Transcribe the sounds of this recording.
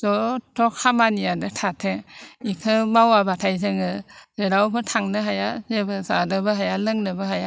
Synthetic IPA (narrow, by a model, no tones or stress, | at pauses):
zɔtʰɔkʰamanijadɯtʰatʰeikʰɯmawabatʰajzɯŋɯzeɾawpʰɯtʰaŋnɯɦajazebɯzadɯbɯɦajalɯŋnɯbɯɦaja